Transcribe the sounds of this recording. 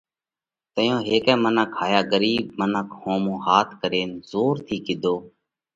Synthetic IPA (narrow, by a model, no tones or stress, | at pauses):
t̪əjõːɦeːkɛ̃ːmənəkʰːaːjaːɡəɾiːbmənəkhõːmõːhaːt̪ʰkəɾeːnzoːɾt̪ʰiːkɪd̪ʱoː